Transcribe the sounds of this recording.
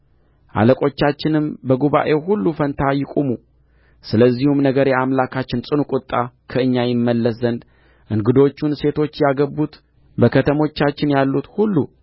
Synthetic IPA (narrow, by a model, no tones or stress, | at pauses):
ʔa̰ləkʼo̞t͡ʃːat͡ʃːɪnɨmbəɡuβa̰ʔe̞hulːufənt̪ʰajɪkʼumu | sɨləzːihumnəɡəɾeamlakʰat͡ʃːɪnsʼɨnukʼʊt̪ʼːakʰəɨɲːajɪmːəlːəszənd̪ | ʔɨŋɡɨd̪o̞t͡ʃːunse̞t̪ʰo̞t͡ʃːjaɡəbːut̪ | bəkʰət̪ʰəmo̞t͡ʃːat͡ʃːɪnjalːut̪hulːṵ